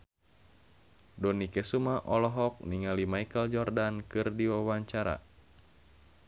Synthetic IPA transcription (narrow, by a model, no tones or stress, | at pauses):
dɔnikɛsumaʔɔlɔɦɔk̚niŋalimaikəld͡ʒɔrdankɨrdiwawaɲt͡ʃaɾa̰